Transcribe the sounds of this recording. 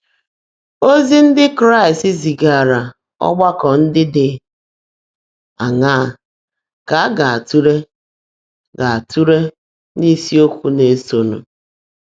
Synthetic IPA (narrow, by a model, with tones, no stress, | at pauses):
o˦zi˦n̩˦dɪ˦kɾa˦i˨sti˦zi˨ɡa˨a˨ɾa˨ | ɔ̰˦ɡ͡ba˦kɔ˨n̩˦dɪ˦dɪ˨ | a˨ŋa˦˨ | ka˨a˦ɡa˨a˨tu˦ɾe˦ | ɡa˨a˨tʰu˦ɾe˦ | ni˦si˦o˦kʷu˦ne˨˦so˨nṵ˨